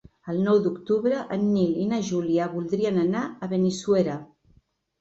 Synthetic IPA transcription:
əlˠnɔwd̪ukt̪uβɾəʔənːilinəʒuliaβulˠd̪ɾiənənaəβenisuweɾə

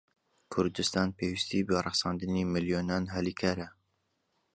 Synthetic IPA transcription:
kʰʊɾd̪ɨst̪ɑːnpʰeːwist̪ʰiːbərˤɑχsɑːnd̪ɨniːmɪljoːnɑːnɦɛlikʰaːɾɐ

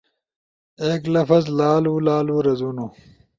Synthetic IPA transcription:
eːklɐfɐzlaːluːlaːluːɾɐzunu

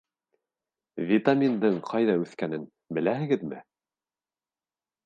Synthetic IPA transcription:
vʲit̪amʲind̪ɤɴqʰɑjðɑʉθkænɘn | bɘ̆læhɘ̆ɡɘðmɘ̰

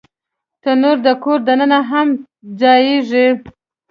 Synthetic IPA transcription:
t̪ənoɾd̪əkoɾd̪anənaɦam | d͡ʒɑjeʐi

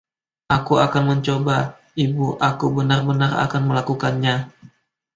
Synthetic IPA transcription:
ʔakuakanməɲt͡ʃoba | ibuʔakubənarbənara̰kanməlakukanɲa

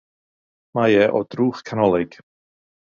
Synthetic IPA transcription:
majɛʔɔd̥ruːχkʰanɔlˠɪɡ̥

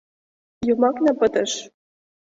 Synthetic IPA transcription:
jumɑknɑpə̆t̪ə̆ʃ

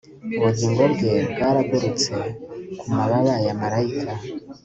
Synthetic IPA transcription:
uβuɟiːŋɡo̞ɾɟe̞bɡaːɾaɡuɾut͡se̞kumaβaβajamaɾaikʰa

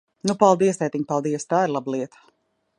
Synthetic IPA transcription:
nupalˠd̪iɛst̪ɛjt̪iɲpalˠd̪iɛst̪aːiɾlˠablˠiɛt̪ə̥

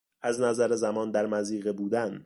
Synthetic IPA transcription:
ʔæznæzæɾezæmɒːnd̪æɾmæziːɣebuːd̪æn

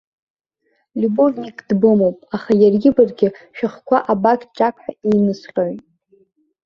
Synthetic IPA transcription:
liborʲnikʼdbɨmowpʼaχajarɡʲɪbarɡʲɪʃᶣaχkʷaʔabakʲʰʼt͡ʃʼakʷʰʼħᶣainɨsqʲʼoɥtʼ

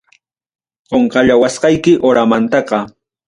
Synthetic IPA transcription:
qoɴqɑʎawasqɑjkɪʔoɾamant̪ɑqɑ

